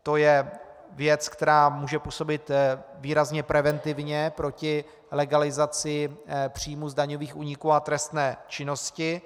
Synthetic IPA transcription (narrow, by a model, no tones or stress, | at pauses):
t̪o̞jɛ | vjɛt͡skt̪ɛɾaːmuːʒɛpuːso̞bɪt̪viːɾazɲɛpɾɛvɛnt̪ɪvɲɛpɾo̞cɪ | lɛɡalɪzat͡sɪpr̝̥iːmuzdaɲo̞viːxʔuːɲɪkuːat̪ɾɛst̪nɛːt͡ʃɪno̞scɪ